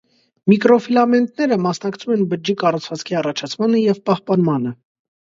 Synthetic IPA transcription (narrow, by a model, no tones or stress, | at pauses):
mikɾɔfilɑmɛnt̪nɛɾəmɑsnɑkt͡sʰumɛnbəd͡ʒikɑrut͡sʰvɑt͡skʰiɑrɑt͡ʃʰɑt͡sʰmɑnəjɛvpɑhpɑnmɑnə